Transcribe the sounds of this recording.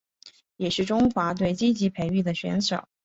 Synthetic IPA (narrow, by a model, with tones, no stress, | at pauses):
jɛ˨˩ʂɻ̩˥˩ʈ͡ʂʊ˥ŋxwa˧˥t̪we˥˩ɪt͡ɕi˥t͡ɕi˧˥pʰe˧˥ɪy˥˩d̪ə˩ɕɥɛ̰˧˥nʂo̰˨˩˦